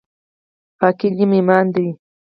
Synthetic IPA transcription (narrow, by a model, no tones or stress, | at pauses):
pakɪʎɪmɪmand̪ɪj